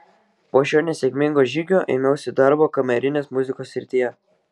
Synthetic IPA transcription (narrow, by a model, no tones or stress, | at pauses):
poːʃʲoːnʲɛsʲɛkʲmʲɪŋɡoːʒʲiːɡʲoːʔɛɪnɐʊsʲɪd̪ɐɾboːkɐmʲɛɾʲɪnʲeːsmʊzʲɪkoːsːʲɪɾʲt̪ʲiːjɛ